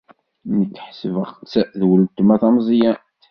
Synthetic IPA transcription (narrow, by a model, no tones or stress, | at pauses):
məkːħsəvəʁt͡sːðwəlt̪əmæθæmzˤjæ